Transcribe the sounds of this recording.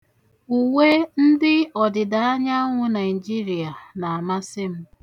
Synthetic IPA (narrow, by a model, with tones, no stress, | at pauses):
u˨ŋe˦n̩˦dɪ˦ɔ˨dɪ˨da˨a˦ɲa˦ŋʷʊ˦na˨ɪ˨d͡ʒi˦ɾi˨a˨na˨a˨ma˦sɪ˦m̩˦